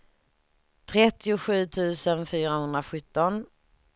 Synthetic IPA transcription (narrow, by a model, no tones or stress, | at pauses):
t̪ʰɾɛt̪ːɪʊɧʉ̟ːt̪ʰʉ̟ːsənfyːɾahɵnd̪ɾaɧɵt̪ːɔn